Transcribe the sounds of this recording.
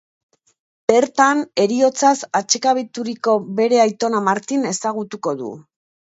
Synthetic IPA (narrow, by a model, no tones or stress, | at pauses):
b̥e̞ɾt̪ane̞ɾio̞t͡sasat͡ʃekaβ̞it̪uɾiko̞be̞ɾe̞ajt̪o̞namaɾt̪ine̞saɣ̞ut̪uko̞ðṵ